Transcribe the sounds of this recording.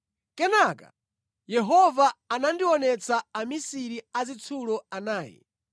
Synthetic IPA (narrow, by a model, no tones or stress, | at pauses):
kɛnaka̰ | jɛɦɔvaːnandiwɔnɛt͡sʰaamisiɾiazit͡sʰulɔanaːjɛ̰